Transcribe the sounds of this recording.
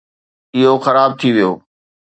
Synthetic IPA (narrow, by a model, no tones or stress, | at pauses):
ɪɦoxɐɾaːb̚t̪ʰiʋijoː